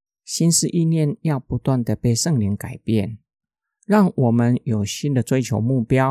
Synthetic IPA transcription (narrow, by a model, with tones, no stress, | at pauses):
ɕi˥nʂɻ̩˥˧ʔi˥˧njɛ˥˧njɑ˥˩ʊpu˧˦t̪wa˥˩nd̪ə˩pe˥˧ɪʂə˥˧ŋli˧˥ŋka˨˩ɪpjɛ˥˩˨n | ɻɑ˥˩ŋwɔ˨˩mə˦njo˨˩ʊɕi˥nd̪ə˨t͡swe˥ɪt͡ɕʰjo˧˥ʊmu˥˩pjɑ˥ʊ